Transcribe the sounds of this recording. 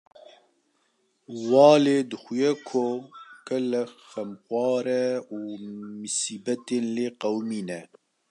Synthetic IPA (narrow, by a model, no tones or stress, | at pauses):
wɑːleːd̪ɨxʷujɛkʰokɛlɛxɛmxwʷɑːɾɛuːmɨsiːbɛt̪eːnleːqɛwmiːnɛ